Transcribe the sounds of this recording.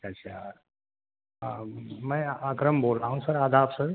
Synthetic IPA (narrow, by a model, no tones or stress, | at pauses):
at͡ɕa | ãməjakɾəmbolaɦũsəɾad̪ʱapsəɾ